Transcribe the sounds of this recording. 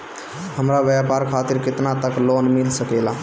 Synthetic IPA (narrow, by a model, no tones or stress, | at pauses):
ɦəmɾabjapaɾkʰat̪iɾkɪt̪nat̪əklonmilsəkɛla